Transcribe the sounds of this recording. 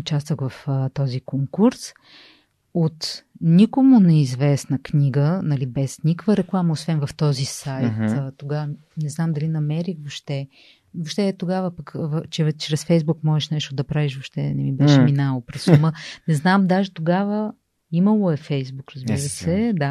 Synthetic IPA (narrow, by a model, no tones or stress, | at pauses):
ʊt͡ʃast̪əkvɐfət̪ɔzikoŋkuɾs | ot̪nʲikomʊnɛizvɛsnəknʲiɡənɐlibɛsnʲikəkvəɾɛklˠamɐosvɛnvɐft̪ɔzisajt̪ːt̪oɡav | nɛznamd̪ɐlinɐmɛɾivoʃt̪ɛ | voʃt̪ɛt̪oɡavəpəkvt͡ʃɛt͡ʃɾɛsfɛjzbukmɔʒɛʃnɛʃt̪od̪ɐpɾaviʃvoʃt̪ɛnɛmibɛʃɛminalˠopɾɛsumənɛznamd̪aʒɛt̪oɡavə | imɐlˠoɛfɛjzbukɾəzbbiɾəsɛd̪a